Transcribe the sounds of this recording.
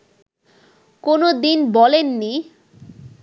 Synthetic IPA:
konod̪inbɔlenːi

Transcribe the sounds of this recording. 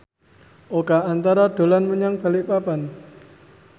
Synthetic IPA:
ʔokaant̪aɾad̥o̤lanməɲaŋb̥a̤liʔpapan

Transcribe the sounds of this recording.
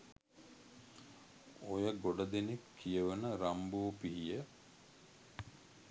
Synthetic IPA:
ojəɡoɖɐd̪enekʰːijəʋənəɾambuːpiɦijə

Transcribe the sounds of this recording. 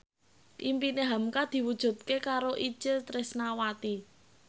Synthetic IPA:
ʔimpineɦamkad̪̥i̤wud̥ʒ̥ṳt̪̚kekaɾoʔi̥ʒ̥ɪlt̪ɾɪsnawat̪i

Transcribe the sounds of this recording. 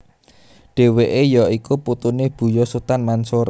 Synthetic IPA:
ɖ̥e̤weʔejɔikuput̪uneb̥ṳjɔsut̪anmansʊɾ

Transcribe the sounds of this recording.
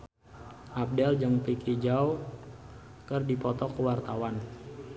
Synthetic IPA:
ʔap̚dɛld͡ʒəŋpikʰid͡ʒaw | kərdipɔt̪ɔkəwart̪awan

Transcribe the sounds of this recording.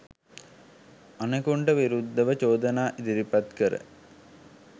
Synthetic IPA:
anəkuɳɖəʋiɾud̪ːəʋət͡ʃoːd̪ənaːʔid̪iɾipat̪kəɾə̰

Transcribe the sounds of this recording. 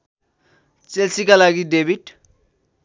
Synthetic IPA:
t͡selt͡sikalaɡiɖebʱiʈ

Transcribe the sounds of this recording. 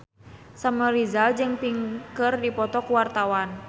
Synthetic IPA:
saməlizald͡ʒɨŋpiŋkərdipɔt̪ɔkuwart̪awan

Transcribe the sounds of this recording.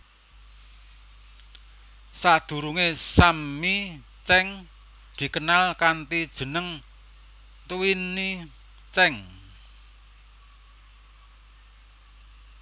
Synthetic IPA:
sad̪̥ṳɾuŋesamːi | t͡ʃɛŋ | d̪̥i̤kənalkant̪id̥ʒ̥ə̤nəŋ | t̪uwini | t͡ʃɛŋ

